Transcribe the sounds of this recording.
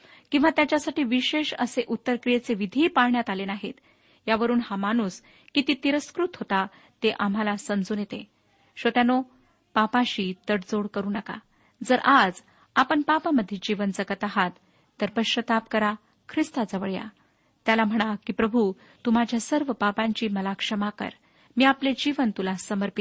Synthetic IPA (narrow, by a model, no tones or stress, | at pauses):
kĩw̃ʋat̪jat͡ɕjasaʈiːʋiɕeɕə̰seʔut̪ːəɾkɾijet͡seʋid̪ʱiːpaɭɳjat̪alenaɦḛt̪ | jaʋəɾuːnhamanus | kit̪iːt̪iɾəskɾut̪ɦot̪a | t̪eʔam̤alasəmd͡zuːnjet̪e | ɕot̪jano | papãɕiːt̪əɽd͡zoɽkəɾuːnəka̰ | d͡zəɾʔad͡z | apəɳpapaməd̪ʱːjed͡ʑiʋənd͡zəɡət̪aɦat̪ː | əɾpəɕɾət̪ap̚kəɾa | kʰɾist̪ad͡zəʋəɭja̰ | t̪jalam̤əɽ̃akiːpɾəbʱu | t̪um̤ad͡ʑʱjasəɾʋəpapãɲt͡ɕiːməlakʂəmakə̰ɾ | miːapled͡ʑiʋənt̪ulasəməɾpit̪